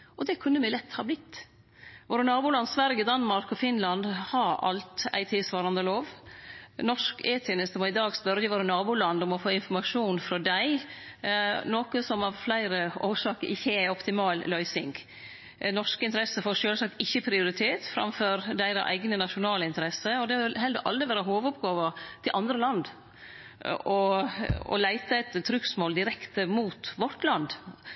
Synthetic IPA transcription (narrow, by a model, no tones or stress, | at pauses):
ʔɔd̪ɛkʰʉnːəmɛlɛt̪ʰːhɑːblɪt̪ː | ʋoːɾənɑːbʊlɑnsʋæɾjəd̪ɑnmɑɾkɔfɪnlɑnd̪hɑɾɑ̰lt̪æ̰ɪt̪ʰɪlsʋɑːɾɑnd̪əloːʋ | nɔʂkeːt̪ʰeːnəst̪əmɔɪd̪ɑːɡspœɾəjəʋoːɾənɑːbʊlɑnd̪ɔmɔfoːɪnfɔɾmɑʂuːnfɾɔd̪æɪ | noːkəsɔmɑʋflæɪɾəoːʂɑːkəʔɪçːəæɪɔpt̪ɪmɑːllœʏsɪŋɡ | nɔʂkəɪnt̪əɾɛsəfoːʂøːlsɑk̚t̪ɪçːəpʰɾɪʊɾɪt̪ʰeːt̪fɾɑ̰mføːɾd̪æɪd̪ɑ̰ʔæ̰ɪɡnənɑʃʊnɑːləɪnt̪əɾɛsːəɔd̪ɛhɑɛlɦɛld̪əʔɑ̰ld̪ɾɪʋæːɾəɦoːʋʊpɡɑːʋət̪ʰɪlʔɑnd̪ɾəlɑnd̪ | ʔɔ | ɔ̰læɪt̪əɛt̪ʰːɾʏksmoːld̪ɪɾɛkt̪əmuːt̪ʋɔʈ̪lɑnd̪